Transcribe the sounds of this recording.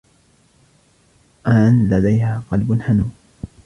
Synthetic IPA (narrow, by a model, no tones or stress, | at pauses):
ʔanlad̪ajhaːqɑlbʊnhanuː